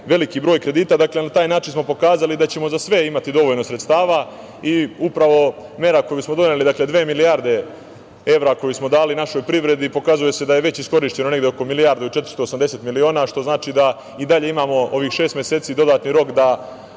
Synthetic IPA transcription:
ʋe̞likibɾoːjkɾe̞d̪iːt̪ad̪akle̞nat̪aːjnaːt͡ʃinsmo̞po̞kaːzalid̪at͡ɕe̞mo̞zasʋe̞imat̪id̪o̞ʋoʎno̞sɾet̪st̪aːʋa | iupɾaʋo̞ | me̞ɾako̞jusmo̞d̪o̞ne̞lid̪akle̞d̪ʋe̞ːmilijaɾd̪e̞ | e̞ʋɾako̞jusmo̞d̪aːlinaʃo̞jpɾiʋɾe̞d̪ipo̞kazuje̞se̞d̪ajeʋe̞t͡ɕisko̞ɾiʃt͡ɕe̞no̞ne̞ɡd̪eo̞ko̞milijaːɾd̪eut͡ʃe̞t̪ɾ̥st̪o̞ːsamd̪e̞se̞t̪milio̞ːnaːʃt̪o̞znaːt͡ʃid̪a | id̪aʎe̞imaːmo̞o̞ʋiːxʃe̞ːst̪mje̞se̞ːt̪sid̪o̞d̪aːt̪niɾo̞kd̪a

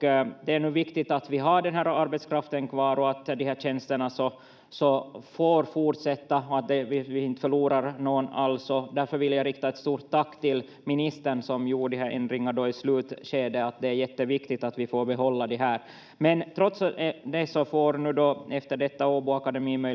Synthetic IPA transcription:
d̪ɛæɳʉːvɪkt̪ɪt̪at̪vɪɦɑɖɛnɦæːɾaɾbɛt̪skʰɾaft̪ənkʰvɑːɾɔat̪d̪ɪhæːɕɛnst̪əɳasɔ | sɔfoːɾfuːʈʂɛt̪ːaɔat̪̚d̪ɛvɪvɪɪnt̪fœɭuːɾaɾnoɡna̰lsɔd̪æɾfœɾvɪljaɾɪkt̪aɛt̪st̪uːɾt̪ʰːakːt̪ɪl | mɪnɪst̪əɳsɔmjuːɖɪɦæɾʔɛ̰nd̪ɾɪŋːaɖɔɪslʉ̟ːt̪ɕeːd̪əat̪̚d̪ɛæɾjɛt̪ːəvɪkt̪ɪɡt̪at̪vɪfoːɾbɛɦɔlːad̪ɛɦæːɾ | mɛnt̪ʰɾɔt̪sd̪ɛsɔfoːɾnʉ̟ːd̪ɔɛft̪əɖɛt̪ːaoːbuakad̪ɛmiːmœ

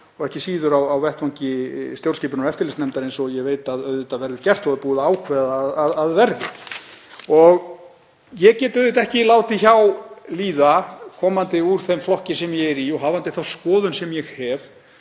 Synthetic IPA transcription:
ɔɣɛhcɪsiːðʏɾawawvɛht̪faŋcɪst̪jowlrscɛːpʏnaɛft̪ɪlɪsnɛmt̪aɾejnsɔɣjɛɣveːjt̪aðœɥðɪt̪avɛɾðʏɾcɛr̥t̪hɔðʏɾpuːðaaːwkʰvɛðaːðaðaðvɛɾðɪ | ɔɣ | jɛɣcɛːt̪œðɪt̪ɛhcɪlaːwt̪ɪçawliːðakʰɔːmant̪ɪuɾ̥θemflɔhcɪsɛmjɛɣɛɾiɔɣɦaːvant̪ɪθawskɔːðʏnsɛmjɛɣhɛv

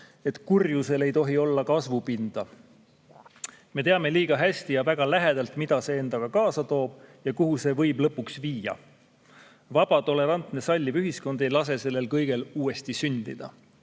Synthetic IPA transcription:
e̞t̪ˑkurjuse̞le̞jt̪o̞ɦio̞lːɑkɑsvupind̪̥ɑ | me̞t̪eɑme̞liːɡ̥ɑɦæsʲt̪ijɑvæɡ̥ɑlæɦe̞d̪̥ɑlt̪mid̪̥ɑse̞e̞nd̪̥ɑɡ̥ɑkɑːsɑt̪o̞ːb̥jɑkuɦuse̞vɤjblɤpːˑuksviːjɑ̰ | vɑb̥ɑt̪o̞le̞ɾɑnt̪ne̞sɑlʲːivyɦisko̞nd̪̥e̞jlɑs̬e̞se̞lːe̞lkɤjɡ̥e̞luːe̞st̪isynd̪̥ḭd̪̥ɑ̰

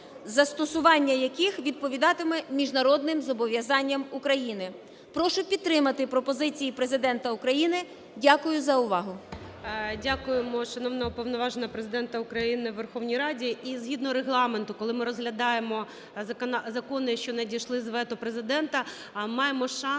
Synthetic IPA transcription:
zɐst̪ɔsʊʋɑnʲːɐjɐkixʋʲid̪̚pɔʋʲid̪ɑt̪ɪmɛmʲiʒnɐɾɔd̪̚nɪmzɔbɔʋʲjɐzɑnʲːɐmʊkɾɐjinɪ | pɾɔʃʊpʲid̪̚t̪ɾɪmɐt̪ɪpɾɔpɔzɪt͡sʲijipɾezɪd̪ɛnt̪ɐʊkɾɐjinɪ | dʲakʊjʊzɐʊʋɑɦʊ | dʲakʊjemɔʃɐnɔwnɔɔpɔwnɔʋɑʒenɐpɾezɪd̪ɛnt̪ɐʊkɾɐjinɪʋerxɔwnʲijɾɑdʲiizɦʲid̪nɔɾeɦlˠɑment̪ʊkɔlˠɪmɪɾɔzɦlʲɐd̪ɑjemɔ | ɐknɑzɐkɔnɪjɐʃt͡ʃɔnɐdʲiʃlˠɪzʋɛt̪ʊpɾezɪd̪ɛnt̪ɐ | mɑjemɔʃɑ

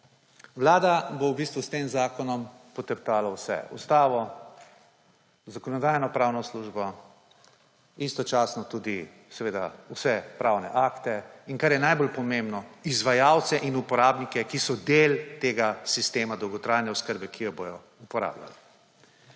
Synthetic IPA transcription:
wlaːd̪abowbist̪ʋust̪eːmzaːkɔnɔmpɔt̪əɾt̪aːlawsɛ̰ṵst̪aːʋɔ | zakɔnɔd̪ajnɔpɾaːwnɔsluːʒbɔ | ist̪ɔt͡ʃaːsnɔt̪uːd̪i | sɛʋeːd̪a̰usɛpɾaːwnɛ̰ʔakt̪ɛinkaɾjɛnajbolpɔmẽmbnɔizʋajawt̪sɛʔinupɔɾaːbnikɛkisɔd̪elt̪eːɡasist̪eːmad̪ɔwɡɔt̪ɾajnɛɔskəɾbɛkijɔbojɔ | upɔɾa̰ːbla̰l

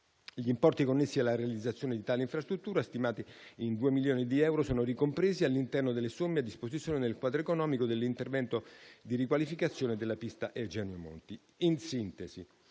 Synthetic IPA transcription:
ʎiːmpɔrt̪ikonːesːialːaɾealid̪zːat̪sːjoːned̪it̪aːleiɱfɾast̪ɾut̪ːuːɾast̪imaːt̪iind̪uːemiljoːnid̪iɛwɾosoːnorikompɾeːzialːint̪ɛrnod̪elːesomːead̪ːispozit̪sjoːned̪elkwaːd̪ɾoekonɔːmikod̪elːint̪ervɛnt̪od̪irikwalifikat̪sːjoːned̪elːapist̪aʔed͡ʒɛːnjomo̰nt̪i | insint̪ezi

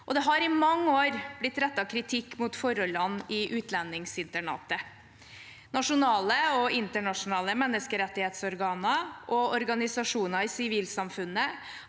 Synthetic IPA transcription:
ʔɔd̪ɛɦɑɾɪmɑŋːəoːɾb̥lɪt̪ːɾɛt̪ːɑkʰɾɪt̪ʰɪkːmuːt̪fɔɾɔlɑnːɪʔʉːt̪lɛnːɪŋsɪnt̪əɳɑ̰ːt̪ə | nɑʂʊnɑːləɔɪnt̪əɳɑʂʊnɑːləmɛnːəskəɾɛt̪ːɪheːt̪sɔɾɡɑːnɑʔɔɔɾɡɑnɪsɑʂuːnɑɾɪsɪʋiːlsɑmfʉnːə

